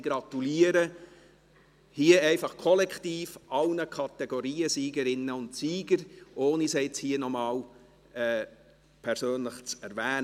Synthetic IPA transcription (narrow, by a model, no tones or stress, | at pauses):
ɡɾɑtuliːəɾə | hiəɛɪfɑχkʰɔlɛkχtiːfʔɑlnəkʰɑt̪ɛɡoɾiːəsiːɡəɾɪnːəʊntsiːɡ̥əɾʔoːnisɛɪt͡shiːənɔmɑːl | ɛː | pʰɛɾsøːnləχt͡sɛɾvæːn